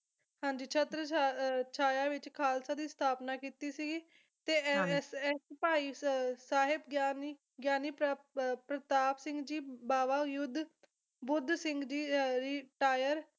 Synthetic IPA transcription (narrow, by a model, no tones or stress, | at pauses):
hãːɲd͡ʒiːt͡ʃʰət̪ɾət͡ʃʰaːjaːʋɪt͡ʃkʰaːlsaːd̪iːst̪ʰaːpnaːkiːt̪iːsiːɡiː | t̪eːsɛspaːiːsaːɦɪbɡaːn | ɡjaːniːpɾət̪aːpsɪ̃ŋɡd͡ʒiːbaːʋaːjʊd̪ʱ | bʊd̪sɪŋɡd͡ʒiːɾɪʈaːjəɾ